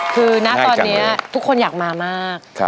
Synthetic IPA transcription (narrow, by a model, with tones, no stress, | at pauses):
kʰɯː˧na˦˥ʔt̪ɔː˧nːi˦˥ɐt̪ʰu˥kʰːo˧njaː˨˩k̚maː˧maː˥˩k̚ʰ